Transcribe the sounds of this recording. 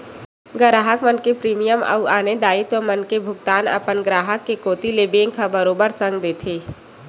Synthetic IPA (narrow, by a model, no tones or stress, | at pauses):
ɡəɾaːɦəkmənkepɾiːmijəmɐ̰uaːned̪aːit̪omənkebʱʊɡt̪aːnə̰pənɡɾaːɦəkːekoːt̪ileːbẽːŋkabəɾoːbəɾsə̃ŋɡd̪eːt̪ʰeː